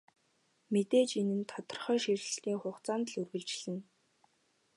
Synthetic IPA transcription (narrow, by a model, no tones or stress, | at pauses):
met̪eːt͡ɕenɘ̆nt̪ʰɔt̪ɞə̆rχœːʃir̆ʲɬt̪iːŋχʊχt͡saːnt̪ɮɵrɣɘ̆ɮt͡ɕ̆ɮɘ̆n